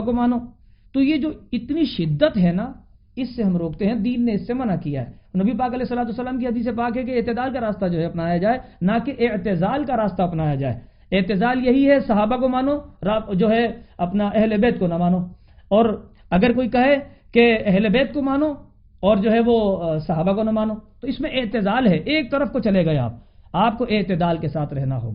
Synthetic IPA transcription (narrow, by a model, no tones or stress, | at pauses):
komaːnoː | t̪ojed͡ʒoːɪt̪niʃɪd̪ːət̪ɦɛna | ɪsːeɦɐmɾoːkt̪eɦɛ̃d̪iːnːeɪsːemɐnakija̰ɦɛ̰ːnɐbipaːkɐlɛːɦsːəlaːt̪usːəlaːmkiɦɐd̪iːsepaːkɦɛk̬eɪt̪ɪd̪aːlkaɾaːst̪ad͡ʒoːɦɛɐpnaːjad͡ʒaːenakeʔɪʕt̪ɪzaːlkaɾaːst̪aɐpnaːjad͡ʒaːḛː | ɪt̪ɪzaːljɐɦiɦɛsɐɦaːbakomaːnoɾad͡ʒoːɦɛɐpnaʔɛɦlebeːt̪konamaːno | ɔːɾ | ɐɡəɾkoːikɐɦekeɛɦlebeːt̪̚komaːno | ɔːɾd͡ʒoːɦɛʋosɐɦaːbakonamaːnot̪oɪsmẽʔɪt̪ɪzaːlɦɛʔeːk̚t̪ɐɾəfkot͡ʃɐleɡɐea̰ːp̚aːp̚koʔeːt̪ɪd̪aːlkesaːt̪ʰɾɛɦna̰ɦo̰ːɡaː